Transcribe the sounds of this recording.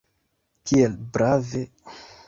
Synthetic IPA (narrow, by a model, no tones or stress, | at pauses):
kielbɾave